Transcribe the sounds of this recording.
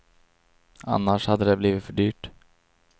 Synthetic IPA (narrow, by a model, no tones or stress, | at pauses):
a̰nːaʂhad̪ːəd̪ɛbliːvɪt̪fœɖyːʈ